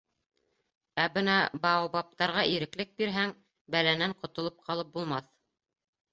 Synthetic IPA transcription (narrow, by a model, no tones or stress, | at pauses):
æbɤnɑbɑbɑp̚t̪ɑɾʁɑʔiɾɘ̆klɘk̚biɾɦæŋ | bælænæɴqŏt̪ŏlˠɤp̚qʰɑlˠɤp̚bulˠmɑθ